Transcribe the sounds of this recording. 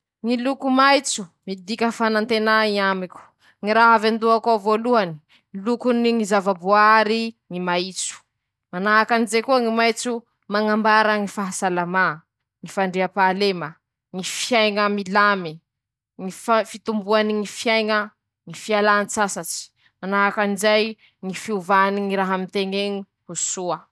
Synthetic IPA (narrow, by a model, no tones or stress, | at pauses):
ŋilukumajt͡su̥mid̪ikʲəfanant̪enaiamikʲu̥ | ŋiɾaɦavand̪uakavoluani̥ | ilukuniŋizavabuaaɾiŋimait͡su̥ | manaɦakanizekuəŋimajt͡su | maŋambaɾəŋifaɦasalama | ŋifaɳɖ͡ʐeapalemə | ŋifjajŋəmilami | ŋiffit̪umbuaniŋifjajŋə | ŋifialant͡sasat͡si̥ | manaɦakanizaj | ŋifiuvaniŋiɾaɦamint̪eŋeɲi | husuə